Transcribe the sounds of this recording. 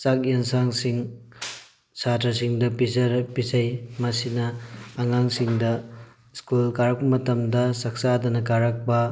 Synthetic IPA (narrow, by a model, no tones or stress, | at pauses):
t͡ʃak̚eŋsaŋsiŋ | satʰɐsiŋdɐpizɐɾpizɐjmɐsinɐːŋaŋsiŋdɐ | skulkaɾɐk̚pɐmɐtɐmdɐsak̚sadɐnɐkaɾɐk̚bɐ